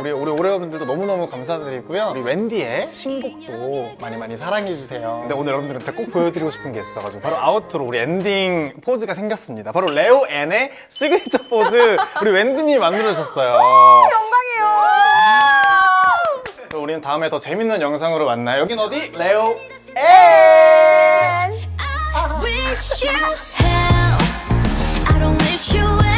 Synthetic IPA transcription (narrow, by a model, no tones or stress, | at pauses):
uɾiuɾioɾeʌbundɯɭdonʌmunʌmukamsʰadɯɾikujʌɾiwe̞ndie̞ɕʰinɡok̚t͈omaɲimaɲisʰaɾaŋed͡ʑusʰe̞jokɯnde̞onɯɭjʌɾʌmndɯɾɯntʰek͈ok̚p͈ojedɯɾiɡoɕʰi̥pʰɯnɡe̞is͈k͈ʰʌɡad͡ʑiɡopʰaɾoaɯtʰɯɾouɾiendiŋpʰod͡ʑɯɡasʰe̞ŋɡjʌs͈ɯmɲidapaɾole̞oʔene̞ | s͈ʰiɡɯt͡ɕʰʌpʰod͡ʑɯuɾiwendiɲimandɯɾʌɕʰʌs͈ʌjoʌŋɡaɡeo | t͡ɕʌuɾinɯntaɯme̞tʌt͡ɕe̞minːɯnjʌŋs̬ʰaŋɯɾomanːajojʌɡinʌdileo | e | n | hɛ | aɾõʊ̃nwɪʃu